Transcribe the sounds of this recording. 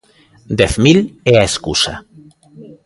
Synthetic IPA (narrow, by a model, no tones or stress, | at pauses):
d̪eθmileaeskusa̰